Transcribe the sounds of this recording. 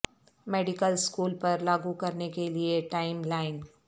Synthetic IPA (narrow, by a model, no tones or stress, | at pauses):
meːɖɪkəlskuːlpɐɾlaːɡukɐɾnekelieʈaːɪmlaːɪn